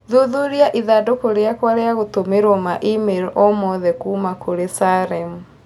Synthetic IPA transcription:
ðuðuɾjaʔiðadokoɾeakwaɾeaɣotomeɾomaʔimelɔmɔðɛkuːmakoɾesaɾɛmu

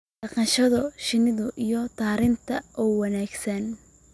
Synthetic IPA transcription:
ɖɑqɑnʃɐðɔʃɪnɪðʊʔijɔt̪ʰaːɾɪnt̪ʰɐʔuːwɑnaːɡsɐn

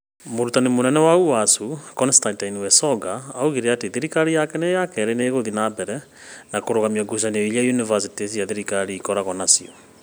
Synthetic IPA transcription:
moɾutanemonɛnɛwauwasukɔnstantainiwɛsɔɡaːoɣiɾeateðeɾikaɾijakɛnejakɛɾeneːɣoðinabɛɾɛ | nakoɾoɣamiaɡus̬anɔiliajunivas̬ites̬ijaðeɾikaɾiːkɔɾaɣɔnasiɔ

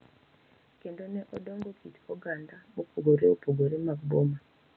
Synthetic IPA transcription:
kendoneʔodoŋɡokʰitoɡandaopoɡoɾeopoɡoɾemakboma

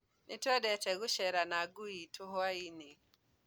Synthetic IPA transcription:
nɪtɔdɛtɛɡʊʃɛɾanaɡʊitʰʊɦɔainɪ

